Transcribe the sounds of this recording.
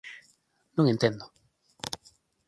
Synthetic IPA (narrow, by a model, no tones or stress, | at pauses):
nũŋent̪end̪o